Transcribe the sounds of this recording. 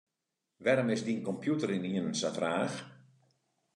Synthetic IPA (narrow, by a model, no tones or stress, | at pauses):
ʋɛɾəmɪsdiənkɔmpʰjutəɾiniənənsafraːx